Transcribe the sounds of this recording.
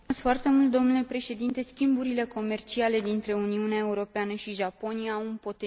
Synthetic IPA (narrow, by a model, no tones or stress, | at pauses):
sfoart̪e̞mult̪̚d̪o̞mnule̞pɾe̞ʃe̞d̪int̪e̞skʲimbuɾile̞ko̞me̞rt͡ʃiale̞d̪int̪ɾe̞uniuneae̞uɾo̞peanəʃiʒapo̞nijaunpo̞t̪e